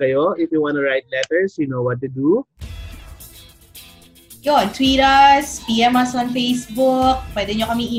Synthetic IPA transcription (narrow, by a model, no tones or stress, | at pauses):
ajoifjuwɔ̃ntuɹajt̚lɛtəɹsjunowɔt̚dudu | jɔɔ̃ntʰwiɾəspiɛmasɔ̃nfesbuk̚badɛ̃njɔkɔmiĩ